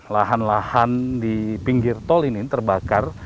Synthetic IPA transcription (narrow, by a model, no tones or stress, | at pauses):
laɦanlahandipiŋɡirt̪ɔlinit̪ərbakar